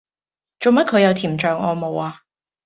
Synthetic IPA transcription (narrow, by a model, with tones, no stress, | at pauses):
t͡ʃo˨wmɐ˥kʰɵ˨˧ɥjɐ˨˧wt̪ʰiː˨˩mt͡ʃœː˨˩ŋʔɔː˧mo˨waː˧